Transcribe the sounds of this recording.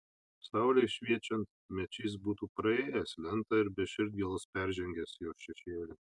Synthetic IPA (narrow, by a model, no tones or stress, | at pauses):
sɑˑʊlʲɛʃʲʋʲiɛt͡ʃʲɛnt̪ | mʲɛt͡ʃʲiːs̬buːt̪uːpɾɐeːjɛslʲɛnt̪ɐɪɾbʲɛʃʲɪɾʲd̪̚ʲɡʲiɛlˠɐspʲæɾʲʒʲɛŋʲɡʲɛsjoːsʃʲɛʃʲeːlʲɪ